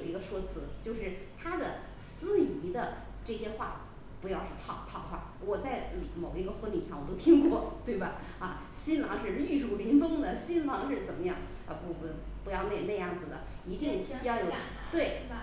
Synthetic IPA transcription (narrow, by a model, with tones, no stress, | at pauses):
ʊi˧˥ɡə˧ʂwɔ˥t͡sʰɹ̩˧˥t͡ɕjo˥˧ʊʂɻ̩˥˩t̪ʰa˥d̪ə˨ | sɹ̩˥i˧˥d̪ə˧ | ʈ͡ʂɤ˥˩ɕjɛ˥xwa̰˥˩ | pu˧˥jɑ˥˧ʊʂ̩˥t̪ʰɑ˥˩ʊt̪ʰɑ˥˩ʊxwa̰˥˩wɔ˨˩t͡sa˥˩ɪmo˨˩ʊi˧˥ɡə˧xwə˧˥nli˨˩ʂɑ˥˩ŋwɔ˨˩t̪o˥ʊt̪ʰi˥ŋkwɔ˥˧t̪we˥˩ɪbɐ˩ | ɐ˥˩ | ɕi˥nlɑ˧˥ŋʂɻ̩˥˧ly˥˧ɻu˥˩li˧˥np̪ɤ˥ŋd̪ə˨ɕi˥nlɑ˧˥ŋʂɻ̩˥˩t͡sə˨˩nmə˦jɑ˥˩ŋ | ə˧˩pu˥˧˩ | pu˧˥jɑ˥˧ʊna˥˩ɪna˥˧jɑ˥˩ŋd͡zɹ̩˩d̪ə̰˩i˧˥t̪jɛ˥˩˧nt͡ɕʰjɑ˥˩ʊjo˨˩ | t̪we˥˩ɪ